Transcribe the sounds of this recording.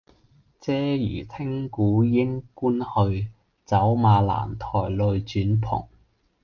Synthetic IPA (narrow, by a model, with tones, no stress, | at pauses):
t͡sɛː˥jy̰ː˨˩t̪ʰɪ˥ŋkuː˨˥jɪ˥ŋkuː˥nhɵ˧ɥ | t͡sɐ˨˥wmaː˧la̰ː˨˩nt̪ʰɔ̰ː˨˩jlɵ˧ɥt͡ʃyː˨˥npʰʊ̰˨˩ŋ